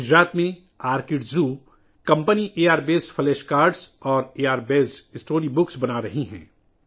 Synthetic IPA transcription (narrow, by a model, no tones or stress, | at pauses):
ʊd͡ʒɾaːt̪mẽ | aːɾkɪʈzuː | kɐ̃mpəniʔeːaːɾbeːsfʰɐlɛːʃkaːɾɖsɔːɾeːaːɾbeːzɪsʈoːɾibʊksbɐnaɾɐɦiɦɛ̰̃ː